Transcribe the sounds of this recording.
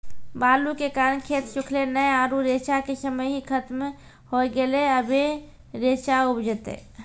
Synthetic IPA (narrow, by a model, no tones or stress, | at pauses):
balukekaɾənkʰet̪ʃukʰlenəjaɾuɾet͡ʃakesəməjɦikʰət̪me | hojɡeleəbʱe | ɾet͡ʃaubd͡ʒʱət̪ḛ